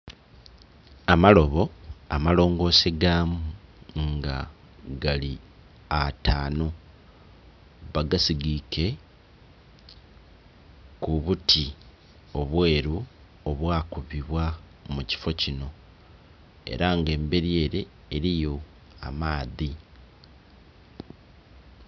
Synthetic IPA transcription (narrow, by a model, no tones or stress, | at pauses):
amalo̞βo̞amalo̞ːŋɡo̞ːseɡaːmuŋɡa | ɡali | ataːno | βaɡasiɡike̞ | kuβutʰi | o̞βwe̞ːɾu | oβwaːkuβiβwa | muci̥fo̞cino̞ | e̞̰ɾaŋɡe̞ːmbe̞ɾje̞ːɾe̞ː | ɾijo̞ | a̰maːði